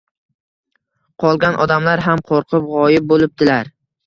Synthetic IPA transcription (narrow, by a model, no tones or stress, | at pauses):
qʰɒlˠɡʲanʔɒd̪amlaɾɦamqʰoɾqʰɨpʁɒjɪb̚bolɪp̚d̪ɪlaɾ